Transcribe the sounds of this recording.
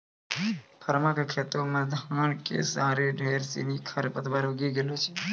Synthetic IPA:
pʰəɾmãkakʰet̪omãd̪ʱaɳkḛsaɾeɖʱeɾsḭnikʰəɾpət̪ʰʋaɾoɡiɡelot͡ʃʰe

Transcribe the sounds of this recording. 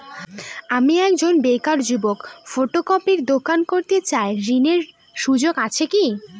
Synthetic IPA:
amiɛkd͡ʑonbekaɾd͡ʑubokfoʈokɔpiɾd̪okankoɾt̪et͡ɕaeɾineɾ | ʃud͡ʑoɡat͡ɕʰeki

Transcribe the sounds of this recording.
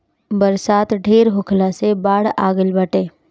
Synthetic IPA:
bəɾsaːt̪ɖʱeːɾɦʊkʰlãsebaːɽa̰ːɡəlbəʈẽː

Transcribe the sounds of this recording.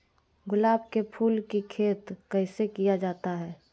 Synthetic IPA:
ɡʊlaːbkepʰuːlkikʰeːt̪kəɪsekijad͡ʒaːt̪aɦɛː

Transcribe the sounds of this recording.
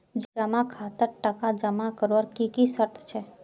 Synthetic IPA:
d͡ʒəmãkʰat̪əɾʈəkad͡ʒəmakəɾʋəɾkikisəɾt̪ʰt͡ʃʰe

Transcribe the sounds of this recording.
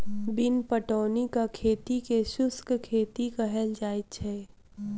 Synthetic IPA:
bɪnpəʈɔːnikakʰeːt̪ikeʃʊskkʰeːt̪ikəɦɛld͡ʒaːɪt͡ʃʰɛː

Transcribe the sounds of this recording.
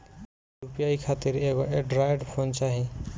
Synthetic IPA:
ɾupijajkʰat̪iɾeɡoeɖɾajɖpʰont͡saɦĩ

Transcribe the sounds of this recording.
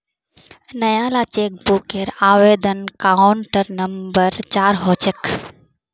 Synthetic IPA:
nɐjãːlaːt͡ʃeːk̚bukeɾaːʋeːd̪ənkaʊɳʈəɾnɐmbəɾt͡ʃaːɾɦoːt͡ʃek

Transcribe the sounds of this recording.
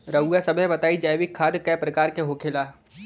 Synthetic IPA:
ɾɐujasɐbɛbɐt̪aːid͡ʒaːjʋɪkʰːaːd̪kɛːpɾɐkaːɾkeɦoːkʰeːlaː

